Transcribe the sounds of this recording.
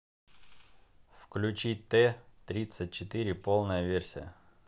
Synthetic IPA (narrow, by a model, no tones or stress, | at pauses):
fklʲʉt͡ɕit̪ɛt̪ɾʲit̪sət̚ʲt͡ɕɪt̪ɨɾʲɪpolˠnəjəvʲersʲɪjə̰